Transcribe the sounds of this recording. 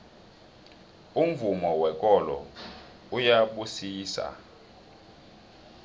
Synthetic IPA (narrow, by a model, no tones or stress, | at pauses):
um̩vumɔwɛkʼɔlɔ̰ | ujaɓusiːsa̰